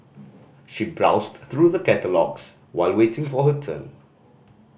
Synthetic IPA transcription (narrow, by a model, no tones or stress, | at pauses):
ʃibɹa̰ʊstθɹuðəkɛtəlɔ̰ɡs | waɪlwetɪ̃ŋfɔɦətʰə̰̃n